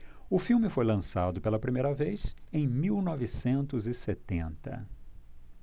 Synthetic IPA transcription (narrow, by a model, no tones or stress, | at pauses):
ʊfiwmɪfojlɐ̃sad̪ʊpelɐpɾimejɾɐvejsẽj̃miwnɔvɪsẽnt̪ʊzɪset̪ẽnt̪ɐ̰